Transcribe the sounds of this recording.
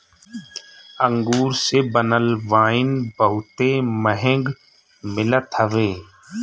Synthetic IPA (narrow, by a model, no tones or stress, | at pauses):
ə̃ŋɡuːɾsebənəlʋaːɪnbəɦʊt̪eməɦɛ̃ŋɡ | mɪlət̪ɦəʋeː